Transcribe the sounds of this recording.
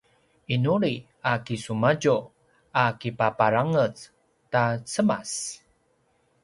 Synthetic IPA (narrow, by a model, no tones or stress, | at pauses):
inuɾi | akisumaɟu | akipapaɾaŋət͡s | tat͡səmas